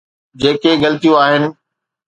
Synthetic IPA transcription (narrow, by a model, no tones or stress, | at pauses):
d͡ʑeːkeɡɐlɪt̪ijũaːɦɪnɪ̆